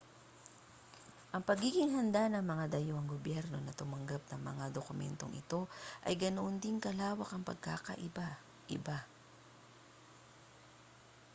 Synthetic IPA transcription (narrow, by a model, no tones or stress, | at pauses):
ʔɐŋpɐɡiːɡɪŋɦɐnd̪anɐŋmɐŋad̪ɐjoʔɐŋɡobjɛɾno̞nɐt̪ʊmɐŋɡap̚nɐŋmɐ̰ŋad̪okʊmɛ̰nt̪o̞̰ŋʔɪ̰t̪o̞ʔɐ̰jɡɐnoʔond̪ɪŋkɐlaːwɐkɐŋpɐ̰ɡ̚ka̰ːkɐ̰ʔɪba | ʔɪ̰ba